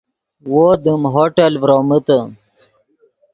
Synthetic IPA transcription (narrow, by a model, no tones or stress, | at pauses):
wod̪imɦoʈelvɾomət̪ə